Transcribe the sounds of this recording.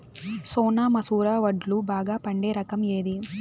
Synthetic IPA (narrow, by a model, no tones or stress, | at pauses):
soːnaːmɐsuːɾaːʋɐɖlubaːɡaːpɐɳɖeːɾɐkɐmeːd̪i